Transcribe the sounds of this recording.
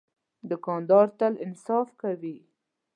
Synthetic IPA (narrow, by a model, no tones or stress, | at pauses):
d̪əkɑnd̪ɑɾt̪alɪnsɑfkawi